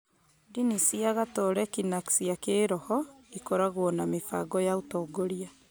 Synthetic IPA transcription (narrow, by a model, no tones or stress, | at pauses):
dinisiaɣatɔɾɛkinaksiakeːɾɔhɔikɔɾaɣwɔnamefa̰ɡɔjautɔːɡoɾia